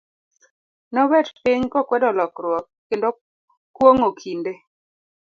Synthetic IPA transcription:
nɔbɛdpɪɲkɔkwɛdɔlɔkɾwɔkːendo | kwoŋokʰinde

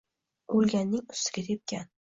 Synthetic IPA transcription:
olˠɡʲanːɪŋʊ̥st̪ɪ̥ɡʲɪɾep̚kʲʰan

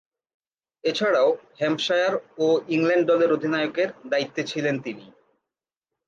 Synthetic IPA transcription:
et͡ɕʰaɽaohɛmʃajaɾoiŋlɛɳɖ̚ɖɔleɾod̪ʱinajokeɾd̪ait̪ːot͡ɕʰilent̪ini

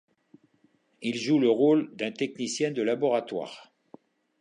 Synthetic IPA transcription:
ilʒuləʁold̪ɛ̃t̪ɛk̚nisjɛ̃d̪əlabɔʁat̪wa̰ːʁ

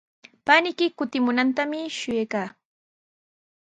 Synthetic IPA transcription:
panɪkɪkʊt̪ɪmʊnant̪amɪʃʊjejkaː

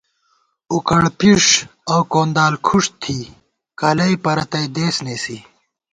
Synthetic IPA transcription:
ukɐɽpiʂɐwkoːnd̪aːlkʰuʂt̪ʰiː | kɐlɐipɐɾɐt̪ɐjd̪eːsneːsi

